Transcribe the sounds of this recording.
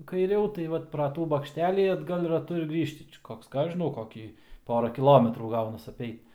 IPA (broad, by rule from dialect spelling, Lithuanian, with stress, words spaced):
kɐɪˈrʲɛʊ tɐɪ ˈʋɐt prɐ ˈtuː bɐkʃʲˈtʲæːlʲiː ɐdˈɡɐlˠ rɐˈtʊ ɪr ˈɡrʲiːʃʲtʲɪ ˈt͡ʃʲɛ ˈkoːks ˈkɑː ˈɐʃ ʒʲɪˈnɐʊ ˈkoːkʲiː ˈpoːrɐ kʲɪˈlˠoːmʲɛtruː ˈɡɐʊnɐs ɐpʲˈɛɪt